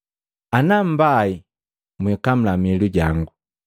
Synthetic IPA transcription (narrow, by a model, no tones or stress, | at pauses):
anam̩bai | mwikam̩lamɛluɟaŋɡu